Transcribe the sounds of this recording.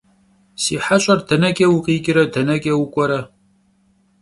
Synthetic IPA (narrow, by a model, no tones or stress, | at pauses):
siːħaɕʼɐrdɐnɐkʲʼɐwuqʼiːɡʲʼɪɾɐdɐnɐkʲʼɐwʊkʷʼɔɾɐ